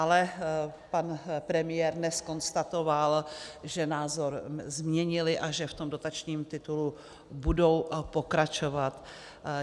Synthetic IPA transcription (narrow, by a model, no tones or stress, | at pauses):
ʔalɛpanpɾɛmɪjɛːɾnɛsko̞nst̪at̪o̞valʒɛnaːzo̞ɾzmɲɛɲɪlɪʔaʒɛft̪o̞mdo̞t̪at͡ʃɲiːmt̪ɪt̪ulu | budo̞wpo̞kɾat͡ʃo̞vat̪